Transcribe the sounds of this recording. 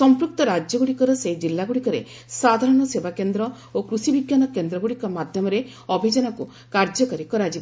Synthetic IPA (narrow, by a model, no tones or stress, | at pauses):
sɔmpɾuk̚t̪ɔɾad͡ʒjɔɡuɽikɔɾɔsed͡ʒilːaɡuɽikɔɾḛ | sad̪ʱaɾɔɽ̃ɔsebakend̪ɾɔ | okɾusibiɡjanɔkend̪ɾɔɡuɽikɔmad̪ʱjɔmɔɾe | ɔbʱed͡ʒɔnɔku | kaɾd͡ʒɔkɔɾikɔɾad͡ʒib